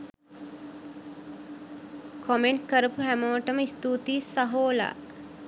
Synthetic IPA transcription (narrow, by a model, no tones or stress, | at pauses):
kʰɔmeɳʈkəɾəpuɦæməʋəʈəməist̪uːt̪iːsɐɦoːla̰ː